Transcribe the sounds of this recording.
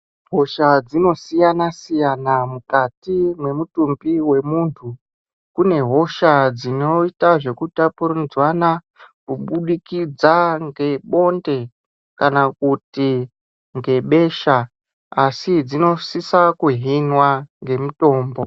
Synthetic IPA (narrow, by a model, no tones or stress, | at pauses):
ɦo̞ʃad͡zino̞sijanasijanamukatimwe̞mutumbiwe̞muːntʰu | kune̞ɦo̞ʃad͡zino̞itaʐe̞kutapuɾud͡zwana | kuɓuɗikid͡zaŋɡe̞ɓo̞nde̞ | kanakuti | ŋɡe̞ɓeːʃa | asid͡zino̞sisakuɦinwaŋɡe̞muto̞ːmbo̞